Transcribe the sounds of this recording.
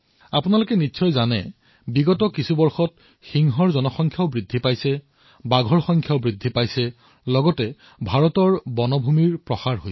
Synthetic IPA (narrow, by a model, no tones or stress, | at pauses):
apʊnalokɛnitːsʰɔjzanɛ̰ | biɡɔtɔkisubɔɹxɔt̚ | xiŋɦɔɹzɔnɔxɔŋkʰjaʊbɹidʱipajsɛ | baɡʱɔɹxɔŋkʰjaʊbɹidʱːipajsɛ | lɔɡɔtɛ | bʱaɹɔtɔɹbɔnɔbʱumiɹpɹɔxaɹɦoj